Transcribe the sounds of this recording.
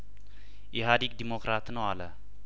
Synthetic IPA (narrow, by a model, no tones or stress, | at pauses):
ʔiɦad̪ik̚d̪imokɾat̪nəwalə